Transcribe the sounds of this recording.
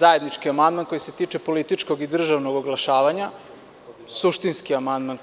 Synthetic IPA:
zaje̞d̪nit͡ʃkiamand̪manko̞jise̞t̪iːt͡ʃe̞po̞lit̪it͡ʃko̞ɡid̪r̩ʒaʋnoɡo̞ɡlˠaʃaːʋaɲa | suʃt̪inskiamand̪man

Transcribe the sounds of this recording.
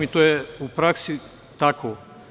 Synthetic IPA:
mit̪oːjɛupɾaksi | t̪akʰo

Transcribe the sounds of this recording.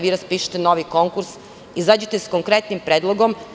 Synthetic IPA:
ʋiɾaspiːʃe̥t̪eno̞ʋiko̞ŋkuɾs | izad͡ʑet̪eskoŋkɾet̪nimpɾeːd̪lˠoɡo̞m

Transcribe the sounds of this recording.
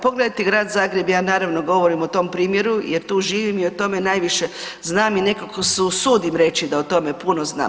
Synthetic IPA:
po̞ɡled̪ajt̪iɡɾaːd̪zaːɡɾe̞bjaːnaːɾaʋnoɡo̞ʋo̞ɾimot̪o̞mpɾiːmje̞ɾujeɾt̪uːʒiːʋimiot̪o̞me̞najʋiʃe̞znaːmine̞kakosusuːd̪imɾe̞t͡ʃid̪aot̪o̞me̞punozna̰ː

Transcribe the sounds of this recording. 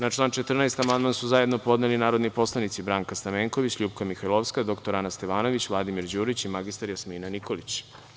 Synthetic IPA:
nat͡ʃlˠaːnt͡ʃe̞t̪r̩najst̪amand̪mansuzaje̞d̪no̞po̞d̪nelinaːɾo̞d̪nipo̞slˠanit̪sibɾaŋkast̪ameːŋkoʋit͡ɕʎuːpkamixajlˠoʋskad̪o̞kt̪o̞ɾanast̪e̞ʋaːno̞ʋit͡ɕʋlˠad̪imiɾd͡ʑuːɾit͡ɕimaɡist̪aɾjasmiːnaniko̞lit͡ɕ

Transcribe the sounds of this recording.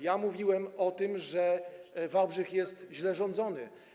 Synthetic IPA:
jamuvʲiwɛmɔt̪ɘmʐɛvabʐɘxjɛst̪ʑlɛʐɔnd̪zɔnɘ̰

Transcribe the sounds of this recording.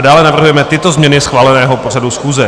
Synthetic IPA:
daːlɛnavr̩ɦujɛmɛt̪ɪt̪o̞zmɲɛnɪsxvaːlɛnɛːɦopo̞r̝adusxuːzɛ

